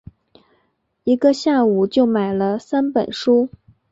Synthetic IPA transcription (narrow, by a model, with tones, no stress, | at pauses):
i˧˥ɡə˧ɕja˥˩u˨˩t͡ɕjo˥˩ʊma˨˩ɪlə˦sa˥npə̰˨˩nʂu˥